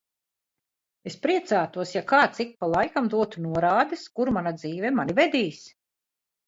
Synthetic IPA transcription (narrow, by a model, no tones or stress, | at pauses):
espɾiɛt̪saːt̪uɔsjakaːt̪sik̚palˠajkamd̪uɔt̪unuɔɾaːd̪ɛskuɾmanad̪ziːvɛmanivɛd̪iːs